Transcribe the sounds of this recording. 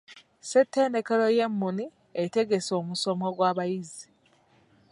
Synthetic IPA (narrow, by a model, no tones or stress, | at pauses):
setːe̞ːnde̞ke̞ɾo̞je̞mːuni | ete̞ɡe̞so̞ːmuso̞moɡwaːβajizi